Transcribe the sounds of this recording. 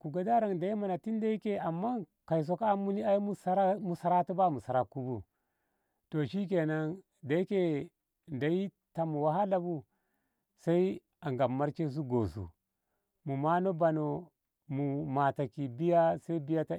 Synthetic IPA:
ku˨ɡa˨da˦ɾa˨ŋda˨i˦ma˨na˨ti˦n˦da˦i˦ke˦a˨mːa˦ka˨js̬o˨ka˦mu˦ni˦a˦ji˦mu˦sa˦ɾa˦mu˨sa˨ɾa˦tu˦ba˦˨mu˨sa˨ɾa˨ku˦bu˦ | to˨ʃi˦k̬e˨na˦ŋ | da˨i˦ke˦ | nda˨ji˦ | ta˨mu˨wa˨˦ɦa˦la˨bu˦ | sa˦i˦ | a˨ŋɡa˨mːa˦ɾt͡ʃe˦s̬u˦ɡo˨sṵ˨ | mu˨ma˦no˦ba˨no˨ | mu˨ma˨ta˨ki˨bi˦ja˦sa˦i˦bi˦ja˦ta˦

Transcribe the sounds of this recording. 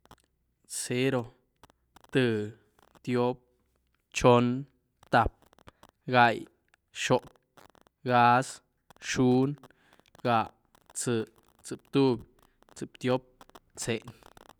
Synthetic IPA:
se˦ɾo˧ | t̪ɨ˧ | t̪jo˦p̚ | t͡ʃo˦n | t̪a˧˨p̚ | ɡa˧j | ʃo˨p̚ | ɡa˦s | ʃu˦n | ɡa˧˨ | t͡sɨ˨˧ | t͡sɨ˨p̚t̪u˦b | t͡sɨ˨pt̪jo˦p̚t͡se˨n

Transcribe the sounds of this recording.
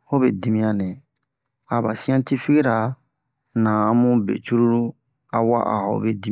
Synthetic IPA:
ho˦be˨di˨mĩ˦ja˨nɛ̃˨ | a˨ba˨si˦ã˦ti˦fi˦ɡi˦ɾa˨ | nã˨ã˨mũ˦bḛ˨t͡ʃu˦ɾu˦ɾu˦ | a˨wa̰˦ʔa̰˨hɔ̰˨be˦di˦

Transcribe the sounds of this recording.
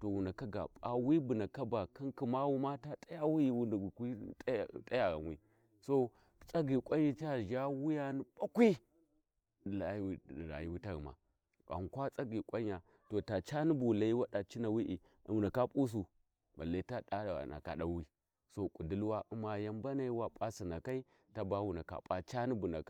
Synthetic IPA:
to˨wu˨na˨ka˦ɡa̰˨ɓa˨wi˦bu˨na˨ka˦ba˨ki˦nki˨ma˦wu˦ma˦ta˦tʼa˦ja˦wu˦i˨wu˦n˨kʷi˦tʼtʼa˦ja˨ɣa̰˨nwḭ˦ | so˦ | t͡sʼa˦ɡi˨kʷʼa˦ɲ˦i˦t͡ʃa˨ʒa˦wu˦ja˦ni˦ba˦kʷi˦˨ | la˨˦i˨ɾa̰˨ji˦wi˦ta˦ɣḭ˨ma̰˨ | a̰˨ŋ˨kʷa˦t͡sʼa˦ɡi˨kʷʼa˦ɲ˦a˨ | to˨ta˨t͡ʃa˦ni˦bu˨la˨i˦wa˦ɗa˨t͡ʃi˦na˨wi˦ʔi˨ | wu˨na˨ka˦pʼu˦s̬u˨ | ba̰˨la˨i˦ta˦ɗa̰˦˨na̰˨ka̰˨ɗa˨˦wi˦ | so˦kʼu˨di˦lwa˦ʔu˦ma˨ja˦mba˦na˦i˦wa˦pʼa˦si˨na˨ka˦i˦ | ta˦ba˦wu˨na˨ka̰˨pʼa˨t͡ʃa˦ni˦bu˨na̰˨k

